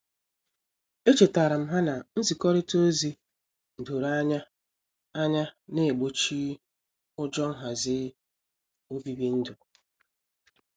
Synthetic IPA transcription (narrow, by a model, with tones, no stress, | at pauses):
e˦t͡ʃe˨ta˨ɾa˨m̩˦ɦa˦na˨n̩˦zi˨kɔ˦ɾɪ˦to˦zi˦ | n̩˨do˨ɾa˦ɲa˦ | a˦ɲa˦ne˦˨e˨ɡ͡bo˦t͡ʃi˦ | ʊ˦d͡ʒɔ˦ŋ̩˦ɦa˨zɪ˦ | o˦bi˦bi˦n̩˦dʊ˨